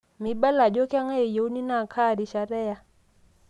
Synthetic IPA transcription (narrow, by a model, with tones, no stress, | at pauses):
mi˨ɓa˦la˨d͡ʒɔ˦ki˦a˦ŋa˦i˨jo˨˦u˦ni˦na˦˨kʰa˦˨ɾi˨ʃa˨ɾɛ˦ja˦